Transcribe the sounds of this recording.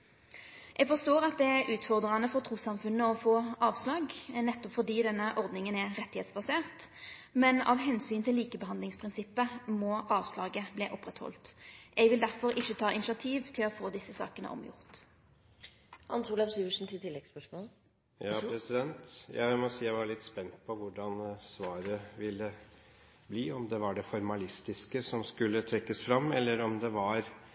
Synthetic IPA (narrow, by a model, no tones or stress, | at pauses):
ʔɛɡfɔst̪oːʁɑt̪̚d̪ɛæʔʉːt̪fɔʁd̪ʁɑnəfɔʁt̪ʰʁuːsɑmfʉnːəɔfoːɑːʋslɑːɡnɛt̪ːɔpfɔd̪iːd̪ɛnːəʔɔʁd̪nɪŋənæʁɛt̪ːɪheːt̪sbɑseːʁt̪mɛnɑ̰ʋɦɛnsyːnt̪ʰɪlːiːkəbəɦɑnd̪lɪŋspʰʁɪnsɪpːəmɔʔɑːʋslɑːɡəblɛːʔɔpːʁɛt̪hɔ̰lt̪ʔɛɡʋɪld̪æʁfɔʁɪçːət̪ʰɑːɪnɪʃɑt̪ʰiːʋt̪ʰɪlɔfoːd̪ɪsːəsɑ̰ːkənəʔɔ̰mjʊ̰ʁt̪ | ɑ̰nsuːlɑʋsyːʋəʂn̩t̪ʰɪlt̪ɪlːɛɡspœʂmoːl | jɑːpɾɛsɪd̪ɛnt̪jæ̰ɪmɔsiːjæɪʋɑɾɭɪt̪ːspɛnt̪̚pʰɔʋʊɖɑnsʋɑːɾəʋɪlːə | bliːɔmd̪ɛʋɑɖɛfɔɾmɑlɪst̪ɪskəsɔmskʉlːət̪ʰɾɛkːəsfɾɑmːɛlːəɾɔmd̪ɛʋɑɾ